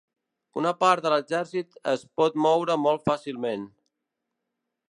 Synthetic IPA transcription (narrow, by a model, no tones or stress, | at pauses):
ṵnəpaɾðələzɛɾsit̪ə̰spɔt̪mɔwɾəmɔlˠt̪fasilˠmen